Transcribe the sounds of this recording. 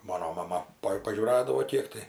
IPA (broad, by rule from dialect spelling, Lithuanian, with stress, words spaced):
ˈmɑːnoː mɐˈmɐ pɐ pɐʒʲuːˈrɑːdɐʋoː ˈkʲiɛk tɐɪ